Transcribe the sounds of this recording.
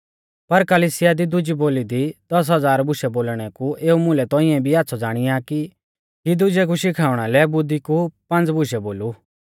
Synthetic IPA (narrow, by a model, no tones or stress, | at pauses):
pɐɾkəliːsɪjad̪id̪ʊd͡ʒiboːlid̪id̪̥ɐs̬ɦɐd͡zaːɾbʊʃɛboːlɽ̃ɛkuʔeːumʊ̃lɛt̪ɔːɪ̃ɛ̃bʱiaːtːsʰɔd͡zaːɽ̃ijaki | kid̪ʊd͡ʒɛk̬uʃɪkʰaːʊɽ̃alɛbʊd̪ikupɐ̃nd͡zbʊʃɛboːlu